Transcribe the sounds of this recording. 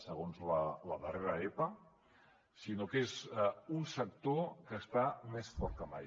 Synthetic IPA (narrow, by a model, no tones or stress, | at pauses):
səɣonzlələðəreɾəepə | sinokezunsək̚t̪okəːst̪amesfɔɾt̪̚kəma̰j